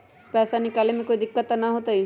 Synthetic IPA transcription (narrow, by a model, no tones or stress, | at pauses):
pɛːsanɪkaːlemẽkoːid̪ɪkːət̪anɐɦoːt̪aɦi